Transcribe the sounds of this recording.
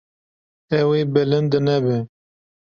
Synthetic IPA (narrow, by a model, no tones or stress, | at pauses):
ɛweːbɪlɪnd̪ɨnɛbɪ